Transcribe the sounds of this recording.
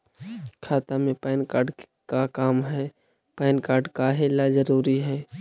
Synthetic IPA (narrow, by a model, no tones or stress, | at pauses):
kʰaːt̪amẽpaːɪnkaːɾɖ | kakaːmɦɛː | paːɪnkaːɾɖkaɦelazəɾuːɾiɦɛː